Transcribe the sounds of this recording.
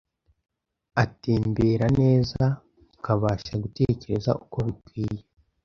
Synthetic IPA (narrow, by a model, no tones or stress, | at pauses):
atiːmbeːɾane̞ːza | ukaβaːʃaɡute̞ːce̞ɾe̞za̰ʔuko̞βikwiːje